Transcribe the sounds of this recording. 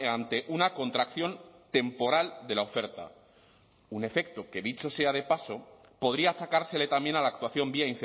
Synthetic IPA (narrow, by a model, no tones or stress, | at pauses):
ant̪e̞ʔunako̞nt̪ɾakθjo̞nt̪e̞mpo̞ɾald̪e̞lao̞fe̞ɾt̪a̰ | une̞fe̞k̚t̪o̞ke̞ðit͡ʃo̞se̞að̞e̞paso̞ | po̞ð̞ɾiaːt͡ʃakaɾse̞le̞t̪ambjenalaːk̚t̪waθjo̞mbiainθe